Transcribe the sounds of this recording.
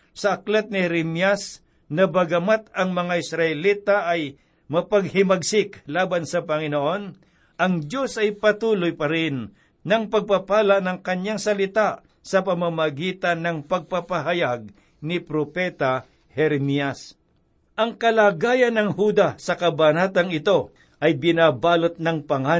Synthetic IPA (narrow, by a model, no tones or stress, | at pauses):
sɐʔɐklɛt̪̚nɪhɾɛmjas | nɐbɐɡɐmat̪̚ɐŋmɐŋaɪsɾɐʔɛliːt̪aʔɐj | mɐpɐɡhɪmɐɡsɪklaːbɐnsɐpɐŋɪnoʔo̞n | ʔɐŋd͡ʒjo̞sɐjpɐt̪uːlojpɐɾɪnː | ɐŋpɐɡ̚papaːlaʔnɐŋkɐɲjaŋsɐlɪt̪aʔ | sɐpɐmamɐɡiːt̪ɐnːɐŋpɐɡ̚papɐɦɐjaɡ̚ | nɪpɾopɛt̪a | hɛɾɛmiɐs | ʔɐŋkɐlaːɡaːjɐnːɐŋhuːd̪asɐkɐbanat̪ɐŋɪt̪o̞ | ʔɐjbɪnaːbaːlot̪̚nɐŋpɐŋa